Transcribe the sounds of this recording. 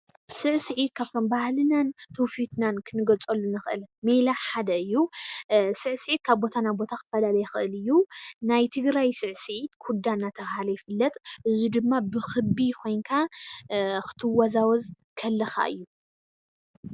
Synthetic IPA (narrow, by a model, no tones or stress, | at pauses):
sɨʕsɨʕit̪̚kʰaβt̪ʰo̞mbahlɨnant̪ʰowfit̪ʰnankʰɨnɨɡɐlt͡sʼɐlːunɨxʔɨ̰lmelaħad̪ɐɨjːu | sɨʕsɨʕit̪̚kʰaβbo̞t̪ʰanabo̞t̪ʰakɨt̪fɐlalɐjɛxɨʔɨlɨjːunajt̪ʰɨɡɾajsɨʕsɨʕit̪kʰud̪anːat̪ʰɐβhalɐjɪfɨlːɐt̪ʼʔɨzud̪ɨmːabɨxɨbikʰo̞jnkʰa | kɨ̥t̪ʰɨwazawɔz | kʰɐlːɐxa̰ʔɨ̰jːu